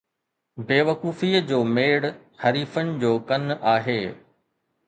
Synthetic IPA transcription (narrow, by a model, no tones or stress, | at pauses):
beːʋɐkuːfiːəd͡ʑoːmeːɽ | hɐɾiːfənɪ̆d͡ʑoːkɐnaːɦeː